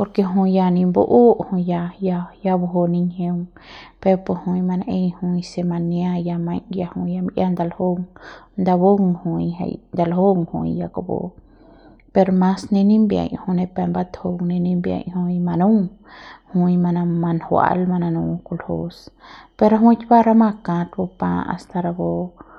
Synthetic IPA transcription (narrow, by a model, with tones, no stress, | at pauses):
po˧ɾke˧ɦũ˧ja˧nĩ˧mbo̰˧˦ʔo˦ʔhũ˧ja˧ja˧ja˧bo˧ɦo˧ni˧ɲhe˧ŋpe˧ɾpo˧hũ˧jma˧nʔe˧jhũ˧jse˧ma˧nja˦˧ja˧mã˧jja˧hũ˧ja˧mi˧ʔja˦nd̪a˧lho˦ŋnd̪a˧βo˦ŋhũ˧jɦḛ˧jnd̪a˧lho˦ŋhṵ̃˧jja˧ka˧˨bo̰˨ | pe˧ɾo˧mã˧sne˧nĩ˦mbja̰˧jhu˧ne˧pe˧mba˦t̪ho˧ŋne˧nĩ˦mbja̰˧jhu˧jma˧nũ˦ŋhũ˧jma˧na˧ma˧nhwa̰˧lma˧nã˧nũ˧ku˧lho˦spe˧ɾa˦ɦũ˦jt͡ʃba˦ɾa˦ma˧kã˧t̪bo˧pã˧a̰˨˧st̪a˧ɾa˧bo˧